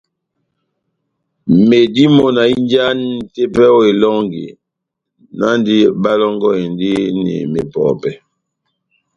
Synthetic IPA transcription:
me˨di˦mo˨na˨i˦nd͡ʒa˦nn̩˦˨te˦pɛ˦ɔ˦e˨lɔ˦ŋɡḭ˨ | na˦ndi˦ba˦lɔ˦ŋɡɔ˦e˨ndi˦nḭ˨me˨pɔ̰˨pɛ˨

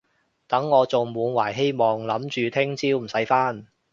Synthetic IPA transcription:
t̪ɐ˨˥ŋːɔː˨˧t͡sʊ˨ŋmuː˨˧nwaː˨˩jɦe˥jmɔː˨ŋlɐ˨˥mt͡ʃyː˨t̪ʰɪ˥ŋt͡siː˥wm̩˨˩sɐ˨˥jfaː˥n

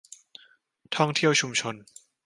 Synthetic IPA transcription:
t̪ʰɔ˥˩ŋt̪ʰi˥˩əwt͡ɕʰu˧mt͡ɕʰo˧n

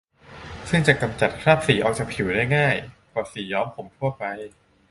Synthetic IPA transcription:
sɯ˥˩ŋt͡ɕa˨˩ka˧mt͡ɕa˨˩t̪̚kʰaː˥˩p̚siː˩˦ʔɔː˨˩k̚t͡ɕaː˨˩pʰi˨˩˦wdaː˥˩jŋaː˥˩jpʰɔː˧˩siː˩˦jɔː˦˥mpʰo˩˦mt̪ʰu˥˩ɐpa˧j

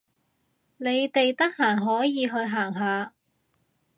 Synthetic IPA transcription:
ne˨˧jt̪e˨jt̪ɐ˥k̚haː˨˩ŋɦɔː˨˥jiː˨˧ɦɵ˧ɥɦaː˨˩ŋɦaː˨˧

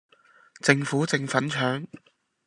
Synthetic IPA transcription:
t͡sɪ˧ŋfuː˨˥t͡sɪ˨˧ŋfɐ˨˥nt͡ʃʰœː˨˥ŋ

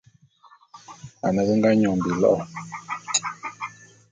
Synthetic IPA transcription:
a˨nə˨˦ɣə˦ŋ˦ɡa˦ɲɔ˨m˨bi˨lɔ̰˦ʔɔ˨

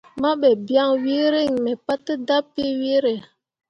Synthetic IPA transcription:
ma˦ɓɛ˨bi˦a˦˨ŋwi˦ɾe˦˨ŋmɛ˨pa˦tə˦da˦pːe˦we˦ɾe˨

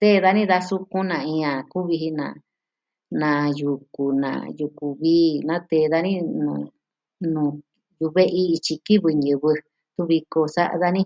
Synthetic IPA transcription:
t̪e˦˨˧ða˧nĩ˦ða˧su˦kũ˦nã˨ĩ˧ã˨ku˦βi˧ɦi˧nã̰˨ | nã˨˧ju˨ku˨nã̰˨ju˧ku˨βiː˦nã˦t̪e˧˨ða˧nĩ˦nṵ̃˧˨ | nũ˨ | ju˧βe˦ʔi˦˧t͡ʃi˧ki˦βɨ˧ɲɨ̃˧βɨ˧ | t̪u˦βi˧ko˧sa˦ʔa̰˧ða˧nĩ˦

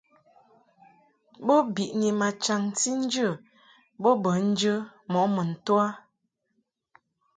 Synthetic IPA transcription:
bə˦bi˨ʔni˨ma˨t͡ʃa˨ŋti˦n̩˦d͡ʒə˦˨ | bə˦bə˨˦n̩˦d͡ʒə˦mɔ˨˦ʔmə˨n̩˨twa˦

